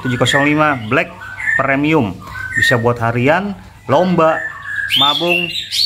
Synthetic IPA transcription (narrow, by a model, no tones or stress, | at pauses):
t̪ud͡ʒukɔsɔŋlimablɛk̚ | pɾemiʊm | bisabuat̪̚haɾian | lɔmbaʔmabʊŋ